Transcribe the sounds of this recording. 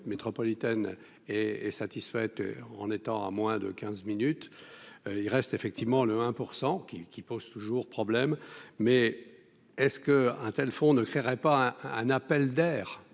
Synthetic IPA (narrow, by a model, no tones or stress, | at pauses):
t̪met̪χɔpɔlit̪ɛn | ɛɛsat̪isfɛt̪ɑ̰̃net̪ɑ̃a̰mwɛ̃d̪ə̰kʲɛ̃zminyt̪ | ilʁɛst̪efɛk̚t̪ivmɑ̃ləɛ̃puʁsɑ̃kʲikʲipoz̥t̪uʒuʁpχɔblɛmːɛ | ɛskəɛ̃t̪ɛlfɔ̃nəkχeʁɛpaɛɛ̰̃napɛld̪ɛːʁ